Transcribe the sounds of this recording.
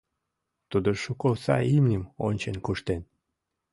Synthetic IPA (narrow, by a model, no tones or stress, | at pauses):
t̪ud̪oʃukolsɑ̰imnʲəmo̰nʲt͡ɕenkuʃt̪en